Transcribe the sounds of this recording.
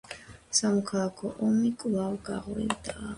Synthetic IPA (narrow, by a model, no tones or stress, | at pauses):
samɔkʰalˠakʰɔʔɔmikʼlˠavɡa̰ʁɾḭvd̪a